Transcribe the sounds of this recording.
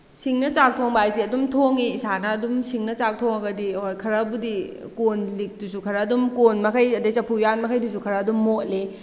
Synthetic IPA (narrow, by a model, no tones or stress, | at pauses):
siŋnɐt͡ʃak̚tʰoŋbajsiɐdumtʰoŋiːsanɐːdumsiŋnɐt͡ʃak̚tʰoŋɐɡɐdiojkʰɐɾɐbudi | konlik̚dusukʰɐɾɐːdumkonmɐkʰɐjɐdɐjsɐpʰujan̚mɐkʰɐjdusukʰɐɾɐːdumːotle